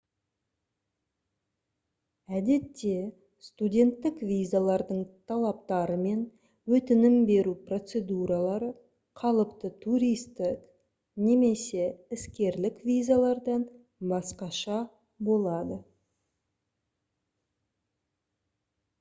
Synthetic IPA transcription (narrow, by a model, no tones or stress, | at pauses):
æd̪e̞t̪ːe̞ | st̪udʲe̞nt̪ːɪkvʲijzalˠɑɾd̪əɴt̪ʰɑlˠɑp̚t̪ɑɾəme̞n | wɵt̪ɪnɪmbe̞ɾupro̞t̪se̞d̪uɾalˠɑɾə | qʰɑlˠəpt̪ət̪ʰuɾijst̪ɪk | ne̞me̞se̞ɪskʲe̞ɾlɪkvʲijzalˠɑɾd̪ɑn | bɑsqɑʃɑ | bo̞lˠɑd̪ə